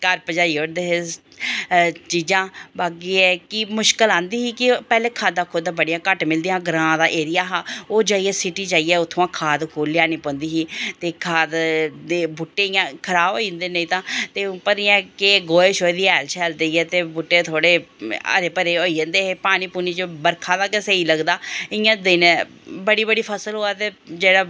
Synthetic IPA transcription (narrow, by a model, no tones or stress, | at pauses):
kəɾpəd͡ʒaːiːoɽd̪eːɦe | t͡ʃiːd͡ʒãːbaːɡiːɛːkɪmʊʃkəlãːnd̪iːɦiːkɪpɛːleːkʰaːd̪aːkʰʊd̪aːbəɽijãːkəʈmɪld̪ijãːɡɾãːd̪aːʔeːɾɪjaːɦaːoːd͡ʒaːiːɛːsɪʈiːd͡ʒaːiːɛːʊt̪ʰːoãːkʰaːd̪kʰoːlːɪjaːnĩːpõːnd̪iːɦiːt̪eːkʰaːd̪d̪eːbʊʈːeːãːkʰəɾaːboːiə̃nd̪eːnə̃ĩːt̪ãːt̪eːpəɾiãkeɡoːeːʃoːid̪iːɛːlt͡ʃʰɛːld̪eiɛːt̪eːbuʈːeːt̪ʰoːɽeːə̰ɾeːpəɾeːoːid͡ʒə̃nd̪eːɦeːpaːɽ̃iːpuːniːt͡ʃbəɾkʰãːd̪aːkəseiːləɡd̪aːɪjãːd̪ɪn | bəɽiːbəɽiːpʰəsəlɦoːaːt̪eːd͡ʒeːɽaː